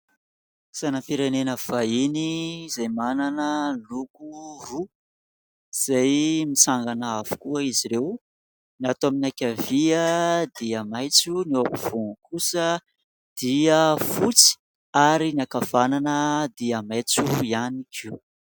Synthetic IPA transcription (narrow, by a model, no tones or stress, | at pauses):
sanapiɾenenəv̥ainizajmananəlukuru | z̥ajmit͡saŋɡanaavu̥kuəiziɾew | niat̪oaminakʲaviəd̪iəmajt͡sunioapiv̥unkʰusə | d̪̥iəfut͡si̥ | aɾiniakav̥ananəd̪iamajt͡suianikʰiw